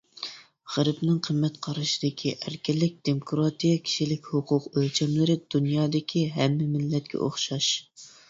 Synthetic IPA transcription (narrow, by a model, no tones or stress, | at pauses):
ʁæɾbnɨŋqʰəmːɛt̪qʰɑɾɑʃi̥d̪ɪkʲʰiʔæɾkʲɛlːɪk̚ʲd̪̥emokʰɾɑt̪ijɑkʲʰi̥ʃilɪkʲhʊqʰʊqølt͡ʃʰɛmlɪɾɪd̪̥unjɑːd̪ɪkʲʰiɦɛmːɪmɪlːɛt̪̚kʲʰɛ̰ʔo̰χʃɑʃ